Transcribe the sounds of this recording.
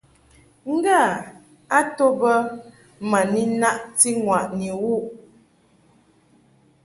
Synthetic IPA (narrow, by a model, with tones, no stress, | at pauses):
ŋ̩˦ɡa˦˨ | a˦to˦bə˦ | ma˨ni˦na˦ʔti˦ŋwa˨ʔni˨wu˦˨ʔ